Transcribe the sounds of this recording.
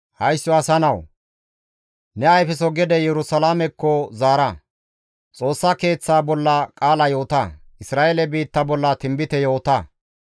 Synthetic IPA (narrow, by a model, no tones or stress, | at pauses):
hɐjsːɔɐsɐnɐw | nɛɐjfɛsɔɡɛd̪ɛjɛɾʊsɐlaːmɛkːɔzaːɾɐ | t͡sʼo̞ːsːɐke̞ːt͡sːaːbɔlːɐkʼaːlɐjo̞ːt̪ɐʔɪsɾaːʔelɛbiːt̪ːɐbɔlːɐt̪ɪmbɪt̪ɛjoːt̪ɐ